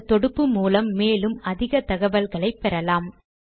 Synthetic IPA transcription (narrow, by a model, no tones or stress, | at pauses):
t̪ɔɽɯpːɯmuːlɐmːeːlɯmɐðɪɣɐt̪ɐɣɐʋɐlɣɐɭɐɪpːɛɾɐlaːm